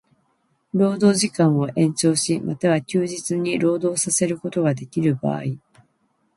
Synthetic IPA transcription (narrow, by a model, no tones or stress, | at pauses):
ɾo̞ːd̪o̞ːʑikãɰ̃o̞ʔẽ̞ɲt͡ɕo̞ːɕimat̪aβakʲɨːʑit͡sɨɲ̟iɾo̞ːd̪o̞ːsase̞ɾɯ̟ko̞t̪o̞ɡad̪e̞kʲiɾɯ̟ba̰ːi